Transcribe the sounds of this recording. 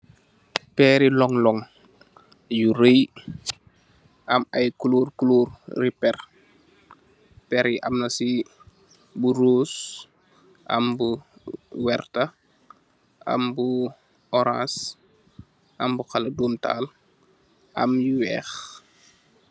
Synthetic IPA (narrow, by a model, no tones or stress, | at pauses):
pɛːɾilɔŋlɔŋ | juɾəj | ʔɐmɐjkuluːrkuluːrripɛr | pɛɾiʔɐmnɐsi | buɾuːs | ʔɐ̰mbu | wɛrtɐ | ʔɐ̰mbu | ɔɾã̰ːs | ʔɐmbuxɐlɐduːmta̰ːl | ʔɐ̰mjuwɛːx